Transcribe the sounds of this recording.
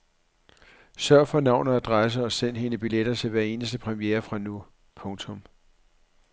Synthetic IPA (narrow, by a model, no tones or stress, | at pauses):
sɶɐ̰fɒ̽nɑ̈ʊ̰nɐæd̥ʁas̬əɒ̽sen̰ɦe̝nəb̥iled̥ɐt͡sʰe̝lʋæɐe̝ːnəsd̥əpʰʁɛmieːɐfʁɑ̈nu | pʰɔ̽ŋt͡sʰɔ̽m